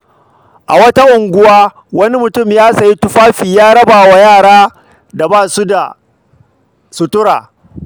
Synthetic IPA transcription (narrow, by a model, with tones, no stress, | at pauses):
ʔa˨wɐ˦ta˦ʔʊ˨ŋɡʷʊ˦waː˦ | wɐ˦ni˦mʊ˨tʊ˦˨mjaː˦sɐ˨ji˦tʊ˦ɸaː˦ɸiː˨jaː˦ɽɐ˦baː˨wa˨jaː˦˨ɽaː˦ | da˨baː˦˨su˦da̰˨ | sʊ˨tʊ˦ɽa̰ː˨